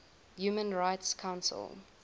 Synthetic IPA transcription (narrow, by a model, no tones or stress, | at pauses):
juːmə̃nɹaɪtskʰãʊ̃nsə̰lˠ